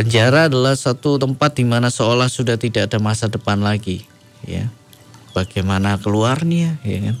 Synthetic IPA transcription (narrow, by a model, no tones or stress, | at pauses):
pəɲd͡ʒaɾaːdalahsat̪ut̪əmpat̪̚dimanasəolahsudaht̪idaːdamasadəpanlaɡi | ja̰ | b̥aɡajmanakəluarniaja̰kan